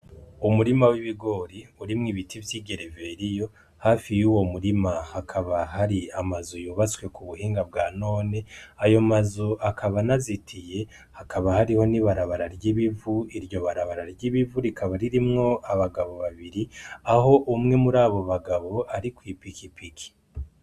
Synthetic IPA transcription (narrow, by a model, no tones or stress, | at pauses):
umuɾimawiβiɡo̞ːɾiuɾimŋiβitivjiːɡe̞ɾeve̞ɾijo̞ | haːfijuːwo̞muɾimahakʰaβahaɾiamazujuːβat͡swe̞kuβuhiːŋɡab̚ɡaːno̞ːne̞ajo̞mazuʔakʰaβanazitʰije̞ | hakʰaβahaɾiho̞niβaɾaβaɾaɾɟiβivuiɾjo̞βaɾaβaɾaɾɟiβivuɾikʰaβaɾiɾimŋo̞aβaɡaβo̞βaβiɾiaɦo̞ʔumŋe̞muɾaːβo̞βaɡaβo̞ʔaɾikwiːpikipikʰi̥